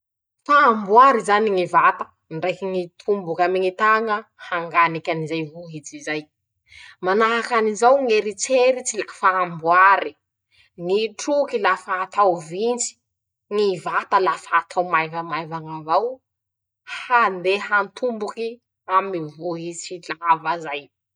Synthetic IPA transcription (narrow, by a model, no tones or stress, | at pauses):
faːmbuaɾizaniŋivat̪ḁ | nɖ͡ʐajkiŋit̪ʰumbukʲamiŋit̪aŋəhaŋɡanikʲanizajvuɦit͡sizaj | manaɦakanizawŋeɾit͡seɾit͡silafaːmbuaɾi | ŋiʈ͡ʂukilafaːt̪awvint͡si̥ | ŋivat̪alafaːt̪ʰawmajvəmajvaŋavaw | hand̪eɦant̪ʰumbuki | amivoɦit͡silavazaj